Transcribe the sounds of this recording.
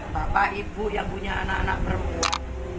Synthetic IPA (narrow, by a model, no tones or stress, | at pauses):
bapaibujaŋpuɲaanaanak̚pəɾəmpua̰n